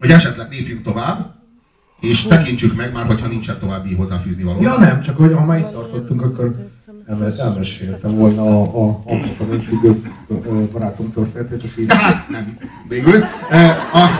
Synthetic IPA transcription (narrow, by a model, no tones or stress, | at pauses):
ho̞ɟɛʃɛt̪lɛɡ̚neːpjynt̪o̞vaːbː | eːʃt̪ɛkint͡ʃykmɛɡmaːrɦo̞cʰhɒnint͡ʃɛnt̪o̞vaːbːiɦo̞zːaːfyːznivɒloːjɒnɛmt͡ʃɒkhoɟhɒmaːɾit̪ːɒrt̪ot̪ːuŋkɒkːo̞rɛmːɛlɛt̪ɛlmɛʃeɛt̪ːɛɱvo̞lnɒːɒbikɒnefyɡøbbɒɾaːt̪o̞mt̪ørt̪eːnɛt̪eːt̪ɒkiat̪nɛm | veːɡyløːɒ